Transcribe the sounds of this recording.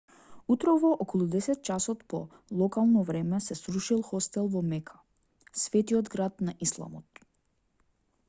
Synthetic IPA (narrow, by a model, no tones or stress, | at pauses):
ut̪ɾɔvɔʔɔkɔlˠud̪ɛsɛt̪̚t͡ʃasɔt̪pɔ | lˠɔkalˠnɔvɾɛmɛsɛsɾuʃilˠxɔst̪ɛlˠvɔmɛkʰḁ | svɛt̪iɔd̪ɡɾad̪naʔislˠa̰mɔt̪